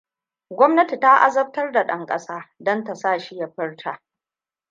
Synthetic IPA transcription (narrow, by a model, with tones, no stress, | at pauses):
ɡʷɔ˦mnɐ˦ti˨ta˦ʔa̰˦zɐ˦b̚tɐ˦rda˨ɗɐ˦ŋkʼɐ˦saː˦dɐ˦nta˨saː˦˨ʃi˦ja˦ɸɪ˦rtʰaː˨